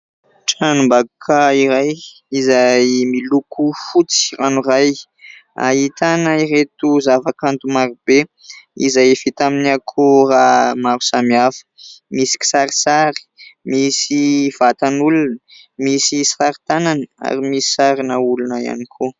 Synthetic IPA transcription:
ʈ͡ʂanumbaɡkʰaiɾaj | izajmilukufut͡si̥ranuɾaj | a̰it̪anəiɾet̪uzavakant̪umaɾube | ḭzajfit̪aminiakʰuramaɾusamiafə̥misi̥ki̥saɾi̥saɾi̥misiv̥at̪anulunə | misisaɾit̪ananəa̰ɾimisi̥saɾinəulunəia̰nikʰo

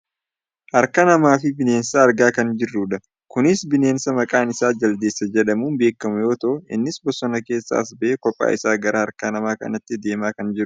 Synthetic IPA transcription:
hɐɾkɐnɐmaːfɪbɪne̞ːnsɐːɾɡaːkɐnd͡ʒɪrːuːᶑɐ | kʊnɪsbɪne̞ːnsɐmɐkʼaːnɪsaːd͡ʒɐld̪eːsːɐd͡ʒɛᶑɐmuːnbe̞ːkːɐmʊjo̞ːt̪ɐʔʊɪ̰nːɪsbɔsːɔnɐke̞ːsːa̰ːɐs̬bɐʔeːkɔpʼːa̰ːʔɪsaːɡɐɾɐhɐɾkɐnɐmaːkɐ̰nɐt̪ːɪd̪e̞ːmaːkɐnd͡ʒɪɾʊʊ

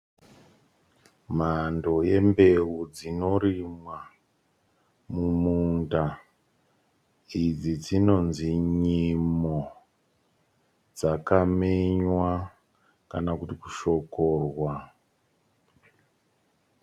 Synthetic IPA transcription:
mando̞je̞mbe̞ud͡zino̞ɾimwa | mumunda | id͡zid͡zino̞nziɲimo | d͡zakameɲwa | kanakutikuʃo̞korwa

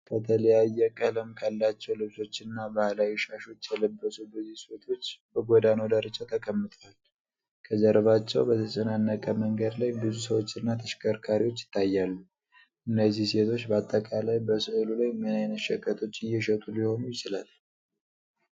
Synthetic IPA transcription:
bət̪ʰələjajːɛkʼələmkʰalːat͡ʃːɛwlɨβso̞t͡ʃːɪnːabahlajɛʃaʃo̞t͡ʃːjɛləbːəsubɨzisot̪ʰo̞t͡ʃːbəɡʷod̪ano̞d̪aɾət͡ʃʼːat̪ʰəkʼəmːɨt̪ʼal | kʰəd͡ʒəɾβat͡ʃːɛwbət̪ʰəsʼənanːəkʼəməŋɡəd̪lajbɨzus̬əwo̞t͡ʃːɨnːat̪ʰəʃkʰʼəɾkʰaɾiwo̞t͡ʃːjɪ̥t̪ʰːajːalːu | ʔɨnːəzːihse̞t̪ʰo̞t͡ʃːbəat̪ʼːəkʼalajbəsɨʔɨlulajmənajnəʃɛkʼːət̪ʰo̞t͡ʃːɨjːɛʃət̪ʼuliho̞nujɪt͡ʃɪlal

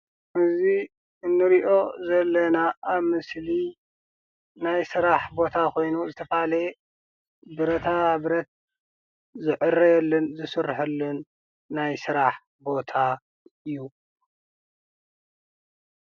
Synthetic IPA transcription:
ʔɨzi | ɨnːɨɾiʔo̞zɐlːɐnaʔːβmɨsli | najsɨɾaħbo̞t̪ʰakʰo̞jnuzɨt̪ʰɐfale | bɨɾɐt̪ʰaβɾɐt̪̚ | zɨʕʔɨrɐjɛlːɐnzɨsɨɾħɨlːɨnː | ajsɨɾaħ | bo̞t̪ʰa | ɨjːu

